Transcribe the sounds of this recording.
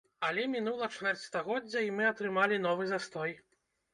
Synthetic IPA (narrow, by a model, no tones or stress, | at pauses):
ɐlʲɛmʲin̪ulˠɐt͡ʂvʲɛrtʲst̪aɣɔdd͡zʲːɐimɨɐt̪ɾɨmalʲin̪ɔvɨzast̪ɔj